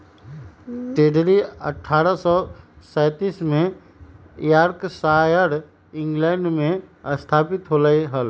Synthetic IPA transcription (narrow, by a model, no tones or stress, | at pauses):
t̪eːɖɾiə̰ʈʰːaːɾəsɔsɛːt̪iːsmẽ | jaːɾksaːjəɾ | ɪ̃ŋɡlɛːɳɖmẽəst̪ʰaːpɪt̪ɦolaiɦəl